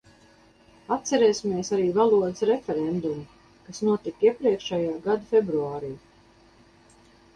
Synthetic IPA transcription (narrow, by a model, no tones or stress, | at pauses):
at̪̚t̪sɛɾɛːsimiɛsaɾiːvalˠuɔd̪sɾefʲɛɾɛnd̪um | kasnuɔt̪ikiɛpɾiɛkʃɛjaːɡad̪afʲebɾuaːɾiː